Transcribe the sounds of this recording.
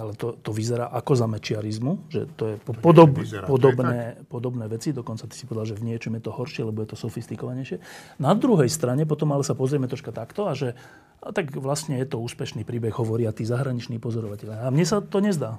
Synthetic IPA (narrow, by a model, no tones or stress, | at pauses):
alɛt̪ɔt̪ɔʋizɛɾa̰ːʔakɔzamɛt͡ʃɪaɾizmuʒɛ̰t̪ɔjɛppɔd̪ɔbpɔd̪ɔbnɛːpɔd̪ɔbnɛːʋɛt͡sid̪ɔkɔnt͡sat̪i̥si̥pɔʋɛd̪alʒɛvɲɪɛt͡ʃɔmjɛt̪ɔhɔɾʃɪɛlɛbɔjɛt̪ɔsɔfist̪ikɔʋaɲɛjʃɪɛnad̪ɾuɦɛjst̪ɾaɲɛp̬ɔt̪ɔmalɛsapɔzɾɪɛmɛt̪ɾɔʃkat̪akt̪ɔaʒɛ | t̪aɡʋlasɲɛjɛt̪ɔuːspɛʃniːpɾiːbɛɣɦɔʋɔɾiat̪iːzaɦɾaɲit͡ʃniːpɔzɔɾɔʋacɛʎaamɲɛsat̪ɔɲɛzd̪aː